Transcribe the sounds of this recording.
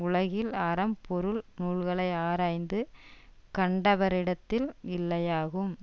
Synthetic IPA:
ʊɭɐɣɪlɐɾɐmpɔɾɯlnuːɭɣɐɭɐɪaːɾaːjnd̪ɯkɐɳɖɐʋɐɾɪɽɐt̪ːɪlɪlːɐjaːɣɯm

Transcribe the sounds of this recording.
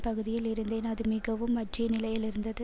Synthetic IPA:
pɐɣɯðɪjɪlɪɾɯnd̪eːnɐðɯmɪɣɐʋɯmːɐʈrɪjɐnɪlɐjɪlɪɾɯnd̪ɐðɯ

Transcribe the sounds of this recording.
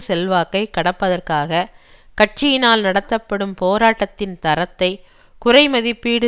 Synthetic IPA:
sɛlʋaːkːɐɪkːɐɽɐpːɐðɐrkaːɣɐ | kɐʈ̚t͡ʃɪjɪnaːlnɐɽɐt̪ːɐpːɐɽɯmpoːɾaːʈːɐt̪ːɪnt̪ɐɾɐt̪ːɐɪ | kʊrɐɪmɐðɪpːiːɽɯ

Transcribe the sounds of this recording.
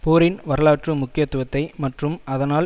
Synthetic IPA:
puːɾɪnʋɐɾɐlaːʈrɯmʊkːɪjɐt̪ːʊʋɐt̪ːɐɪmɐʈrɯmɐðɐnaːl

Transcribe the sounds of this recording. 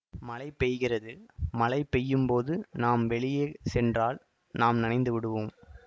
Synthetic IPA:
mɐlɐɪpːɛjɣɪrɐðɯmɐlɐɪpːɛjːɯmpoːðɯnaːmʋɛɭɪjeːsɛndraːl | naːmnɐnɐɪnd̪ɯʋɪɽɯʋɯm

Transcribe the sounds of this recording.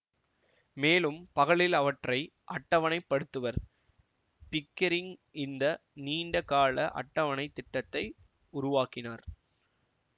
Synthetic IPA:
meːlɯmpɐɣɐɭɪlɐʋɐʈrɐɪ | ʔɐʈːɐʋɐɳɐɪpːɐɽɯt̪ːɯʋɐɾ | pɪkːɐɾɪŋɪnd̪ɐniːɳɖɐkaːɭɐʔɐ̰ʈːɐʋɐɳɐɪt̪ːɪʈːɐt̪ːɐɪ | ʊɾʊʋaːkɪnaːɾ

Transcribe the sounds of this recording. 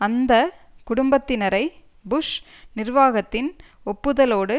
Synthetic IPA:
ɐnd̪ɐ | kʊɽʊmbɐt̪ːɪnɐɾɐɪ | bʊʂ | nɪrʋaːɣɐt̪ːɪn | ɔpːɯðɐloːɽɯ

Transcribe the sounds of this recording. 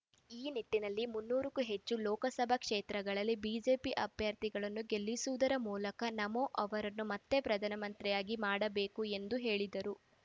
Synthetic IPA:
iːniʈːinɐlːimunːuːɾukuɦe̞t͡ʃːulɔːkɐsɐbʱɐkʂeːt̪ɾɐɡɐɭɐlːibiːd͡ʒe̞ːpiʔɐbʱjɐɾt̪iɡɐɭɐnːuɡe̞lːisuʋud̪ɐɾɐmuːlɐkɐnɐmoʔɐʋɐɾɐnːumɐt̪ːe̞pɾɐd̪ʱɐnɐmɐnt̪ɾɛjaːɡimaːɽɐbe̞ːkue̞nd̪uɦe̞ːɭid̪ɐɾu

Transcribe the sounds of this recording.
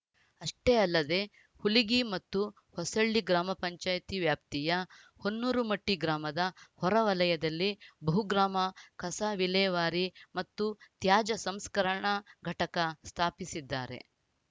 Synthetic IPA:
ɐʂʈeːɐlːɐd̪e̞ | huliɡimɐt̪ːu | hɔsɐɭːiɡɾaːmɐpɐɲt͡ʃaːjt̪iʋjaːp̚t̪ijɐ | honːuːɾumɐʈːiɡɾaːmɐd̪ɐhɔɾɐʋɐlɐjɐd̪ɐlːibɐɦuɡɾaːmɐkʰɐsɐʋilɛːʋaːɾimɐt̪ːut̪jaːd͡ʒɐsɐmskɐɾɐɳɐɡʱɐʈɐkɐst̪ʰaːpisid̪ːaːɾḛ

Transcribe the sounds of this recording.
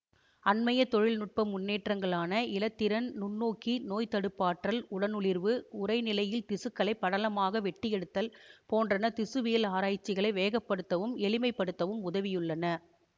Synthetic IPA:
ɐnmɐjɐt̪ɔɻɪlnʊʈ̚pɐmːʊnːeːʈrɐŋɡɐɭaːnɐɪlɐt̪ːɪɾɐnnʊnːoːkinoːjt̪ɐɽɯpːaːʈrɐlʊɽɐnʊɭɪɾʋɯʊɾɐɪnɪlɐjɪlt̪ɪsɯkːɐɭɐɪpːɐɽɐlɐmaːɣɐʋɛʈːɪjɛɽɯt̪ːɐlpoːndrɐnɐt̪ɪsɯʋɪjɐlaːɾaːjt͡ʃːɪɣɐɭɐɪʋeːɣɐpːɐɽɯt̪ːɐʋɯmɛɭɪmɐɪpːɐɽɯt̪ːɐʋɯmʊðɐʋɪjɯɭːɐnɐ

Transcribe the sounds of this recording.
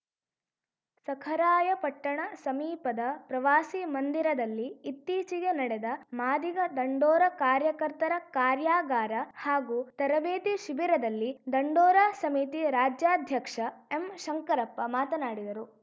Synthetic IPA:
sɐkʰɐɾaːjɐpɐʈːɐɳɐsɐmiːpɐd̪ɐpɾɐʋaːsimɐnd̪iɾɐd̪ɐlːiːt̪ːiːt͡ʃiɡenɐɽɛd̪ɐmaːd̪iɡɐd̪ɐɳɖɔːɾɐkaːɾjɐkɐɾt̪ɐɾɐkaːɾjaːɡaːɾɐhaːɡuːt̪ɐɾɐbeːd̪iʃibiɾɐd̪ɐlːid̪ɐɳɖɔːɾasɐmit̪iɾaːd͡ʒjaːd̪ʱjɐkʂɐe̞mʃɐŋkɐɾɐpːɐmaːt̪ɐnaːɽid̪ɐɾu

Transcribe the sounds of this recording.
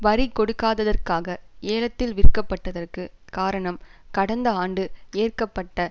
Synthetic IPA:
ʋɐɾɪkɔɽɯkːaːðɐðɐrkaːɣɐeːlɐt̪ːɪlʋɪɾkːɐpːɐʈːɐðɐrkɯkaːɾɐɳɐmkɐɽɐnd̪ɐaːɳɖɯeːrkɐpːɐʈːɐ

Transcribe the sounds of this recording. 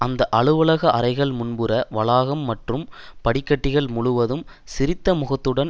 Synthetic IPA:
ʔɐnd̪ɐʔɐɭɯʋɐɭɐɣɐʔɐɾɐɪɣɐɭmʊnbɯɾɐʋɐɭaːɣɐmːɐʈrɯmpɐɽɪkːɐʈːɪɣɐɭmʊɭʊʋɐðɯm | sɪɾɪt̪ːɐmʊɣɐt̪ːɯɽɐn

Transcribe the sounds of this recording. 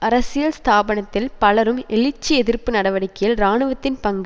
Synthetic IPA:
ɐɾɐsɪjɐlst̪aːbɐɳɐt̪ːɪlpɐlɐɾɯmɛɭɪt͡ʃːiɛðɪrpːɯnɐɽɐʋɐɽɪkːɐjɐlɾaːɳɯʋɐt̪ːɪnpɐŋɡ

